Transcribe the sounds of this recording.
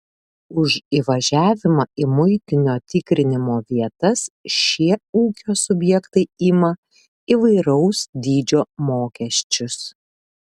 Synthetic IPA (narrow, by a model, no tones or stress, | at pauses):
ʊʃiːʋɐʒʲæːʋʲɪmɐɪmʊɪt̪ʲɪnʲoːt̪ʲɪkɾʲɪnʲɪmoːʋʲiɛt̪ɐsʃʲiɛuːkʲoːsʊbʲjɛkt̪ɐɪimɐ | iʋɐɪɾɐʊsd̪ʲiːd͡ʒʲoːmoːkʲɛʃʲt͡ʃʲʊs